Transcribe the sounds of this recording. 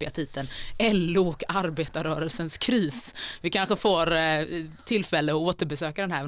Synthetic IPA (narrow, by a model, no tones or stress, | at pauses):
pɪat̪ʰiːd̪ənɛlːʊɔkaɾbeːt̪aɾœːɾəlsənskʰɾiːsvɪkʰanɧəfoːɾ | t̪ʰɪlːfɛlːəɔoːt̪əɾbɛsøːkad̪ɛnhæɾ